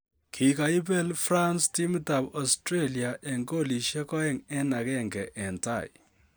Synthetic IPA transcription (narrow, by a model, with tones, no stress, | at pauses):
kʰi˨ka˨i˦pɛ˦lfra˦nsti˦m˦ta˨bɔ˨stɾe˦li˨a˨ʔɛ˨ŋɡo˦li˨ʃɛ˦kɔ˦ɛ˦ŋɛ˦na˨kɛ˦˨ŋɡɛ˨ʔɛ˨nta̰˨ḭ˨